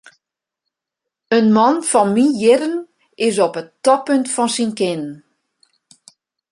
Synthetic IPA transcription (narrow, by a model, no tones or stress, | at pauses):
ənmɔnfɔnmijɪɾən | ɪs̬ɔpətːɔpøntfɔnsinkɪn